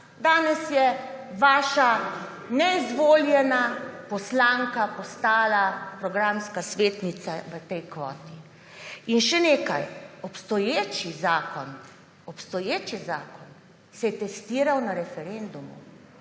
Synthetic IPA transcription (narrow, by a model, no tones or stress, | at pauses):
d̪aːnɛsjɛʋaːʃa | nɛizʋoːljɛnapɔslaːŋkapɔst̪aːlapɾɔɡɾamskasʋeːt̪nit̪saʋət̪ɛjkʋɔːt̪i | inʃɛneːkajɔpst̪ɔjeːt͡ʃizaːkɔn | ɔpst̪ɔjeːt͡ʃizaːkɔn | sɛjɛt̪ɛst̪iːɾawnaɾɛfɛɾend̪umṵ